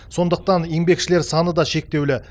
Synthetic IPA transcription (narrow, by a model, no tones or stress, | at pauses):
so̞nd̪əq̚t̪ɑnjembe̞kʃɪle̞ɾsɑnəd̪ɑʃe̞k̚t̪e̞wlɪ